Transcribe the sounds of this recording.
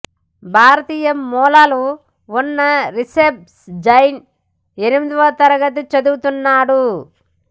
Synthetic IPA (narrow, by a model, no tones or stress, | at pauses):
bʱaːɾɐt̪iːjɐmːɔːlaːlu | unːɐɾisep̚sd͡ʒɐjn | enimid̪iʋɐt̪ɐɾɐɡɐt̪̬ut͡ʃɐd̪uɡut̪unːaːɽu